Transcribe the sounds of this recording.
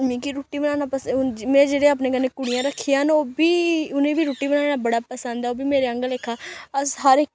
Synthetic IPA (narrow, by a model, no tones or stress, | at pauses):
mĩːkiɾuːʈːiːbənaːnaːpəsmɛ̃ːd͡ʒeːɽeaːp̬neːkəɾnːeːkʊɽɪjãːɾəkʰːijãːnoːbiːʊnẽːbʱiːɾuːʈːiːbənaːɽaːbəɽaːpəsə̃nd̪aːoːbʱiːmeːɾeːə̃ŋɡəleːkʰaːəsɦəɾɪk